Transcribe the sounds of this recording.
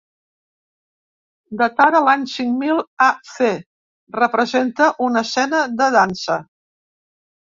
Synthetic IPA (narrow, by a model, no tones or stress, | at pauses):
d̪ət̪aɾəlaɲsiŋmilˠase | rəpɾəzent̪əʔunəsɛnəðəðansə